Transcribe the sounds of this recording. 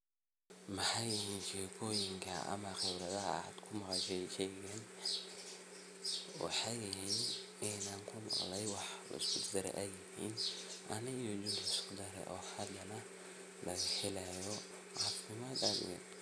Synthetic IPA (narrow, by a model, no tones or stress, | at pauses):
mɐħɑjɪhiːnʃɛːkʰɔːjɪŋkʰɐ̰ɐ̰mɐxɛwɾɐðɐɦɐ̰a̰ːd̪kʰʊmɐqʃɛʃɛjɛn | wɑ̰ħɑjɪɦiːn | ɪnaːŋkʰʊmɑ̰qlɛjwɑħlɐ̰ɪskʰʊd̪d̪ɐɾɛ̰ʔɛjɪhiːnʔɐnɪɣɔd̪ɪnlɐɪskʊd̪ɐɾɛ̰ʔɔːhɐd̪ɐnɐ | lʔɐɣɐhɛlajɔ | ʕɑːfɪmaːd̪ɐ̰d̪̰wɛ̰n